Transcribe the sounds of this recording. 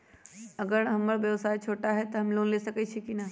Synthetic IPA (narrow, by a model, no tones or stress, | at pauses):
ɐɡəɾɦɐməɾʋjɐʋsaːit͡ʃʰoːʈaɦɛt̪ɐɦɐmloːnleːsɐkət͡ʃʰikina